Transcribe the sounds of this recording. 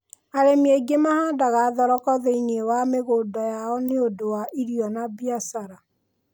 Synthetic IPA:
aɾemeɡemahaːdaɣaːðɔɾɔkɔðeinewameɣodɔjaɔneodowaʔiɾiɔnabjasaɾa

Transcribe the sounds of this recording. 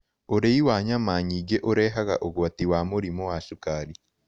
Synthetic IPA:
oɾeiwaɲamaːɲiɡeʔoɾeːɦaɣa̰ʔoɡoatiwaːmoɾimowasukaːɾi

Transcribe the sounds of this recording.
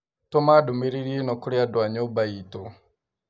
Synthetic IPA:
tɔmadumiɾiɾienɔkuɾiadwaɲɔbaitɔ

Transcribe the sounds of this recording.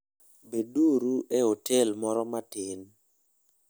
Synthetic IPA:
beduɾuʔɛotɛlmɔɾɔmatɪn

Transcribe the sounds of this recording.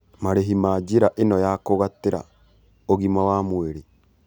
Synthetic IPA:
maɾeɦimaːd͡ʒiɾaʔenɔjakoɣateɾa̰ | oɣimawaːmweɾe

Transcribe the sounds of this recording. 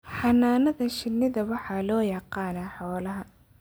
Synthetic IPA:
ħɑnaːnɐðɐʃɪnːɪðɐwɑħɑːlɔːjɑqɑːnaːħɔːlɐɦɐ

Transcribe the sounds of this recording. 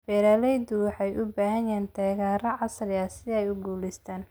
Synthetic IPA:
fɛːɾɐːlɛjd̪ʊwɑħɑjʔʊbaːɦɐjɛːnt̪ʰɛːɣaːɾɐʕɑsrɪasɪðɐɛjʊɡuːlɪst̪ʰaːn

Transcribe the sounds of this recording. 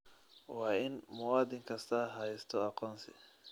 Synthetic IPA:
waːʔɪnmʊwaːd̪ɪŋkɐst̪aɦajɪst̪ʰɔaqɔnsɛ̰

